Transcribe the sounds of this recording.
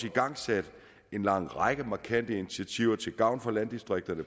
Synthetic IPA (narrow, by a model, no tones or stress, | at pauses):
siɡ̥ɑ̈ŋ̰sæd̥ | e̝nlɑ̈ŋ̰ʁɑɪɡ̥əmɑ̈kʰæn̰d̥əinit͡sʰiæt͡sʰiʊ̰ɐt͡sʰe̝lɡ̥ɑ̈ʊ̰nfɒlænd̥isd̥ʁeɡ̥̚d̥ɐnə